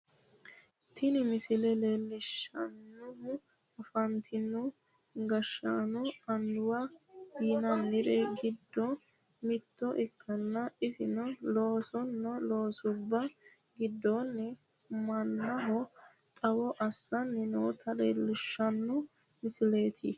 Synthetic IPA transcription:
t̪ʰɪnɪmɪsɪlɛlelːɪʃɐnːʊʊ | ɐfɐnt̪ʰɪnːʊ | ɡɐʃːanɔɐnd̪ʊwɐiːnɐnːɪɾɛɡɪd̪ːɔ | mɪt̪ːɔʔɪkʰːɐnːɐɪsɪnɔloːsɔnːɔlo̞ːsʊbːɐ | ɡɪd̪ːɔnːɛ | mɐnːɐɦɔ | t̪ʼɐwɔʔɐsːɐnːɛnɔwt̪ʰɐleːlːɪʃːɐnːʊ | mɪsɪle̞ːt̪ʰɪ̰

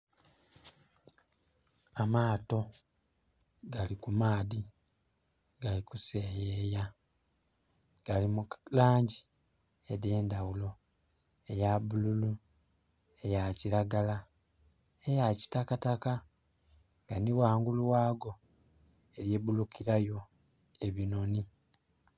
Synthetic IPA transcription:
amaːto̞ | ɡalikumaːði | ɡ̥alikuse̞jeːja | ɡ̥alimulaːɲɟi | ede̞ːndawulo̞ | e̞jaβululu | e̞jaciɾaɡala | ejaci̥takataka | ŋɡaniwaːŋɡuluwaːɡo̞ | e̞ɾje̞βulukiɾajo̞ | e̞βino̞ni

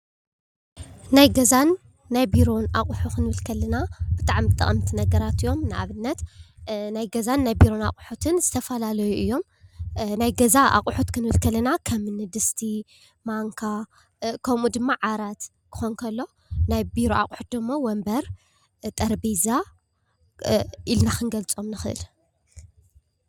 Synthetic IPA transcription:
najɡɐzanː | ajbiɾo̞naχʼħukɨnɨβɨlkʰɐlɨnab̥ɨt̪ʼaʕmɨt̪ʼɐ̰χʼɐmt̪ʰinɐɡɐɾat̪ɨjo̞mnɨʔaβɨnːɐt̪najɡɐzanːajbiɾo̞na̰kʼħut̪ʰɨnzɨt̪ʰɐfɐlalɐjuʔɨjːo̞m | najɡɐzaʔa̰qʼħut̪kʰɨnɨβɨlkʰɐlɐnakʰɐmɨnɨd̪ɨst̪ʰi | maŋkʰa | kʰɐmud̪ɨmːaʕaɾat̪ | kʰɨ̥xonkʰɐlːo̞ | najbiɾoa̰qʼħu̥t̪̚d̪ɨmːowɐmbɐɾ | t̪ʼɐɾbiza | ʔilnakʰɨnɡɐlt͡sʼo̞mnɨxɨʔɨ̰l

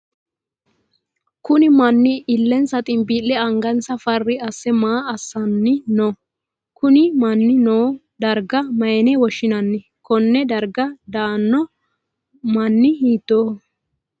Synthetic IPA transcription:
kʊnɪmɐnːɪɪlːɛnsɐt̪ʼɪmbilːɛɐŋɡɐnsɐfɐrːɪɐsːɛmaːɐsːɐnːɪnɔ | kʊnɪmɐnːɪnoː | d̪ɐɾɡɐmɐjɛnɛwɔʃːɪnɐnːɪ | kɔnːɛd̪ɐɾɡɐd̪aːnːɔ | mɐnːɪɦiːt̪ːoː

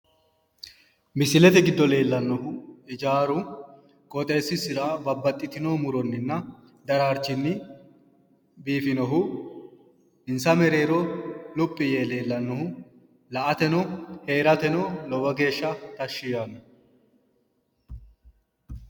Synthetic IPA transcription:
mɪsɪlɛt̪ɛɡɪd̪ːɔle̞ːlːɐnːɔɦʊɪd͡ʒaːɾʊ | kʼɔt̪ʼe̞ːsːɪsɪɾɐbɐbːɐt̪ʼːɪt̪ɪnoːmʊɾɔnːɪnːɐ | d̪ɐɾaːɾt͡ʃːɪnːɪ | biːfɪnɔɦʊ | ɪnsɐmɛɾe̞ːɾɔlʊpʼːɪje̞ːle̞ːlːɐnːɔhʊ | lɐʔɐt̪ɛnɔhe̞ːɾɐt̪ɛnɔlɔwɐɡe̞ːʃːɐt̪ɐʃːɪjaːnːɔ

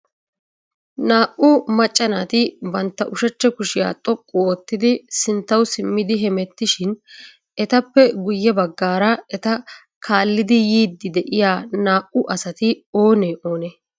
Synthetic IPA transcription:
naːʔʊmɐt͡ʃʼːɐnaːt̪ɪbɐnt̪ːɐʔʊʃɛt͡ʃːɛkʊʃɪja̰ːt̪ʼɔkʼːʊoːt̪ːɪd̪ɪsɪnt̪ːɐwsɪmːɪd̪ɪɦɛmɛt̪ːɪʃɪn | ɛt̪ɐpːɛɡʊjːɛbɐɡːaːɾɐɛt̪ɐ | kʰaːlːɪd̪ɪjiːd̪ːɪd̪ɛʔɪjaːnaːʔʊʔɐsɐt̪ɪo̞ːneʔo̞ːne

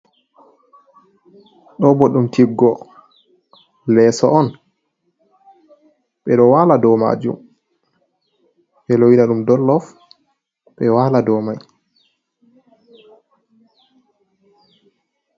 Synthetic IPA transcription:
ɗɔbɔɗumtʰiɡːɔ | lɛːsɔʔɔn | ɓɛɗɔwaːladɔma̰d͡ʒṵm | ɓɛloinaɗumdɔlːɔf | ɓɛwaːladɔmaj

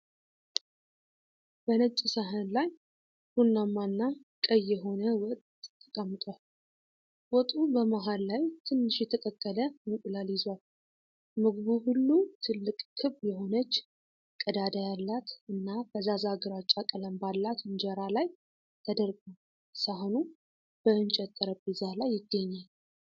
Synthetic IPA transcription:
b̥ənət͡ʃʼːisəɦənlaj | hunːamːanːakʼəjɛɦo̞nəwɔt̪ʼt̪ʰːə̥kʼəmːɨt̪ʼal | wɔt̪ʼubəmaɦalːajt̪ʰɨnːɨʃjɛt̪ʰək̪ʼəkʼːələmɨkʼlaljɪzwal | mɨɡβuhulːut̪ʰɨlːɨkʼkʰɨβjɛho̞nət͡ʃː | kʼəd̪ad̪ajalːat̪ɨnːabəzazaɡəɾat͡ʃʼːakʼələmbalːat̪ɨnd͡ʒɛɾalaj | t̪ʰəd̪əɾɡum | saɦonu | b̥əɨnt͡ʃʼɛt̪ʼːəɾəbɨzalajːɪɡːəɲːal

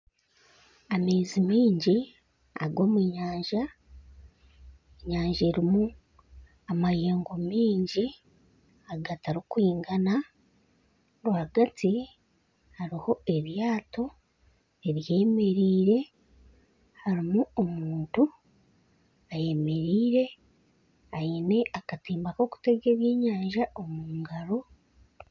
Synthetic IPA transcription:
ame̞ːzimiːɲɟi | a̰ɡo̞ːmwiːɲaːɲʒa | eɲaːɲʒeɾimu | amajeːŋɡo̞miːɲɟi | aɡataɾikwiːŋɡana | ɾuhaɡati | haɾiho̞e̞βjaːto̞ | e̞βje̞ːme̞ɾiːɾe̞ | haɾimuomuːntu | aje̞me̞ɾiːɾe̞ | aine̞akatiːmbako̞ku̥te̞ɡe̞ːβjeːɲaːɲʒaʔo̞muːŋɡaɾo̞

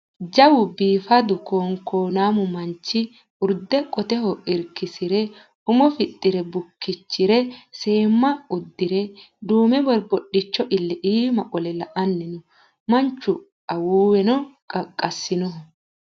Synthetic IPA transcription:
d͡ʒɐwʊbiːfɐd̪ʊkoːŋkoːnaːmʊmɐnt͡ʃːɪ | ʊɾd̪ɛkʼɔt̪ɛhɔɪɾkɪsɪɾɛ | ʊmɔfɪt̪ʼːɪɾɛbʊkːɪt͡ʃːɪɾɛse̞ːmːɐʊd̪ːɪɾɛ | d̪uːmɛbɔɾbɔɗːɪt͡ʃːɔʔɪlːɛʔiːmɐʔʼɔlɛlɐʔɐnːɪnʊ | mɐnt͡ʃːʊ | ɐwuːwɛnɔkʼɐkʼːɐsːɪnʊh

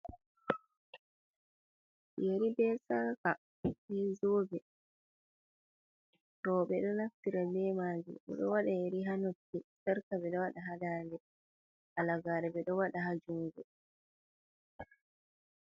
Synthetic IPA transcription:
jeɾibɛsaɾka | bɛzoːbɛ | ɾɔːɓɛɗɔnaftiɾabɛmaːd͡ʒḭɗɔ̰ɗɔ̰waɗajeɾiɦanotːisaɾkabɛɗɔwaɗaɦadaːndɛ | ʔalaɡaːɾɛbɛɗɔwaɗaɦad͡ʒumɡɛ

